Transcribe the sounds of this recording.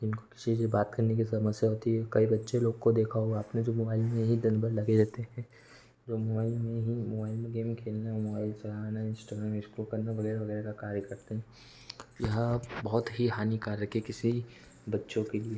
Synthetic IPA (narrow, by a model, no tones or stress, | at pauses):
ɪnkokɪ̥sisibaːt̪kɐɾnek̬isɐməsjaɦoːt̪iɦɛkɐibɐtːʃeloːɡkod̪eːkʰaɦoaaːpned͡ʒoːmoːbaːɪlmẽɦid̪ɐnbəɾlɐɡed͡ʒaːt̪eɦɛ̃ | d͡ʒoːmobaːɪlmẽɦimobaːɪlmẽɡeːmkʰeːlnamobaːɪlsɐlaːnaɪ̃nsʈaːɡɾaːmɪskulkɐɾnaʋɐɣɛːɾaʋɐɣɛːɾekakaːɾjəkɐɾt̪eɦɛ̃ | jɐɦbɔɦʊt̪ɦiɦaːnikaːɾjɐkekɪsi | bɐtːʃõkelie